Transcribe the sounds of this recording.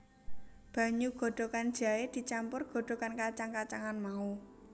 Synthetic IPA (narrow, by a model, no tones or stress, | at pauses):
b̥a̤ɲuɡ̥ɔ̤ɖ̪̥ɔ̤kan̥d͡ʒ̥ä̤ed̪̥i̤t͡ʃampʊrɡ̥ɔ̤ɖ̥ɔ̤kankat͡ʃaŋkat͡ʃaŋanmau